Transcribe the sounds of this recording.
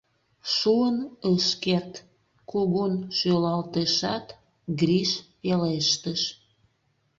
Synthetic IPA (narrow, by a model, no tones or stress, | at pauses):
ʃuənəʃkert̪ | kuɣunʃølɑlt̪eʃɑt̪ | ɡriʃpeleʃt̪əʃ